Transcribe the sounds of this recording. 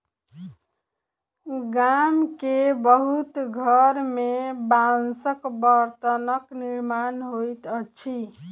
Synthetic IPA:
ɡamkebəɦut̪ɡʱəɾmebansəkbəɾt̪ənəkniɾmanɦojt̪ət͡ʃʰi

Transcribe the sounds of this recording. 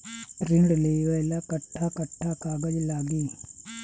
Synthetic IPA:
ɾɪɳɖleːʋɐjlaːkɐʈʰːaːkɐʈʰːaːkaːɡəd͡ʒlaːɡiː

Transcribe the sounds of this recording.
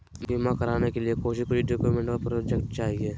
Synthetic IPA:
bimakɐɾaːnekeliekoːʃɪʃkoiɖoːkjumẽɳʈopɾod͡ʒekʈ̚t͡ʃaːɦie

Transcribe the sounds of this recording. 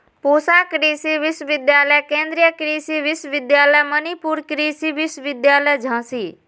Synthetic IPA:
poːsaːkɾiːsiʋɪswʋɪd̪jaːləjkẽːnd̪ɾijəkɾiːsiʋɪsəʋɪd̪jaːləjmənipuːɾkɾiːsiʋɪswʋɪd̪jaːləjd͡ʒʱãːsiː

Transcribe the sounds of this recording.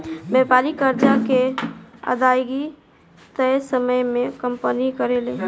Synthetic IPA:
bɛpaɾikəɾd͡ʒakeə̰d̪ajɡi | t̪əjsəməjmẽkəmpənikəɾele

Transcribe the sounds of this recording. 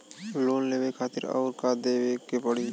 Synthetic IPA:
loːnleːʋekʰaːt̪ɪɾɔ̰ːɾkaːd̪eːʋeːkepəɽiː

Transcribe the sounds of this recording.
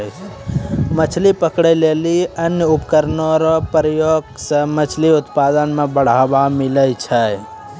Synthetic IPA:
mət͡ʃʰlipəkɽəleːliənjəʊpkəɾnoɾopɾəjoːɡsəmət͡ʃʰliʊt̪paːd̪ənmẽbəɽ̤aːbamɪləjt͡ʃʰə

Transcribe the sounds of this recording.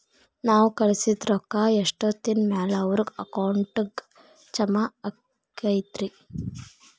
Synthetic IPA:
naːwkɐɭisid̪ɾɔkːaːeʂʈot̪inmaːlɐɐʋɾuɡɐkɐwɳʈɡ | t͡ʃɐmaɐ | kɐjt̪ɾi

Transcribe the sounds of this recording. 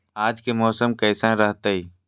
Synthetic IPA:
aːd͡ʒkemɔːsəmkəːsãɾəɦt̪əi

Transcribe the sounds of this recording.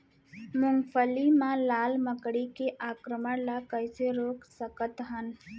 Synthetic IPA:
mʊŋɡfʰəlimãlaːlməkɽikeʔaːkɾəməɽlakəjseɾoːksəkət̪ɦən

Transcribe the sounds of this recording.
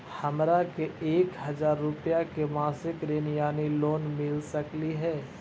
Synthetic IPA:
hɐmɾakeeːkɦɐzaːɾːʊpjakemaːsɪkɾeːnijaːniloːnmɪlsɐkliɦɛː

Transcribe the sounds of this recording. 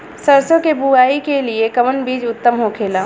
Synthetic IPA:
səɾsõkebuaːikeliekəʋənbiːd͡ʒʊt̪ːəmɦokʰeːla

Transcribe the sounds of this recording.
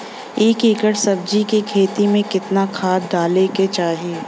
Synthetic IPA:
eːkikəɽsɐb̚d͡ʒikikʰeːt̪imẽkɪt̪nakʰaːd̪aːleket͡ʃaːɦijeː

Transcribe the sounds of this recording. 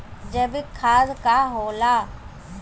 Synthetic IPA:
d͡ʒəbɪkʰaːzkaɦoːlaː

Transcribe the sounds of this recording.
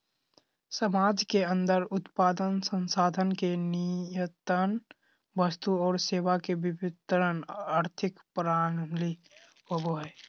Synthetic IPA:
səmaːd͡ʒkeə̃nd̪əɾʊt̪paːd̪ənsə̃nsaːd̪ʱənkenijət̪ən | bəst̪uɔːɾseːʋakebɪbɪt̪əɾənaːɾt̪ʰɪkpɾaːɽ̃əmli | əbo

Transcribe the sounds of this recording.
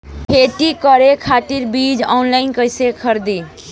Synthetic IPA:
pʰeʈikɔɾekʰaʈiɾbid͡ʒa̰nlajnkəjsekʰəɾd̪i

